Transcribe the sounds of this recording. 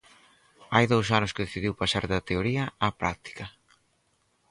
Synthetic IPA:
ajðowsanʊskɪðeθiðiwpasaɾðɐt̪eoɾiɐapɾa̰k̚t̪i̥kɐ

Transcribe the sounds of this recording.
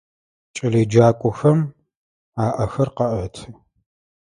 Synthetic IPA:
t͡ʃʼɐliːd͡ʒaːkʷʼɔxɐm | aːʔɐxɐrqɐʔɐtʰɨ

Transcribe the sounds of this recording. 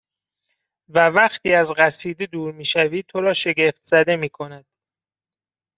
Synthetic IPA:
vævæxt̪ʰiːæzɢæsiːd̪ed̪uːɾmiːʃæviːt̪ʰo̞ɾɒːʃe̞ɟe̞ft̪z̥æd̪e̞miːkʰo̞næd̪̥

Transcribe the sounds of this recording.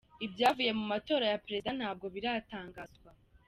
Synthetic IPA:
ibjaːvuje̞mumato̞ːɾajapɾedan̥haːb̚ɡo̞βiɾataːŋɡazɡwa

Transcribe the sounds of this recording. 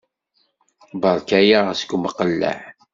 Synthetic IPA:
bəɾˤkæjaʁæsə̥ɡʷməqəlːə̰ʕ

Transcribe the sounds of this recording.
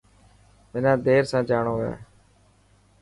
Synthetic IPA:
mɪnãːd̪eːɾsãːd͡ʒaːɳoːɦḛː

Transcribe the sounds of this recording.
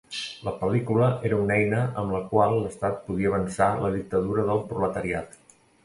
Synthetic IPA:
ləpəlikuləʔeɾəunɛjnəʔəmləkwalˠːəst̪at̪̚puðiəːβənsaləðik̚t̪əðuɾəðəlˠpɾulət̪əɾiat̪

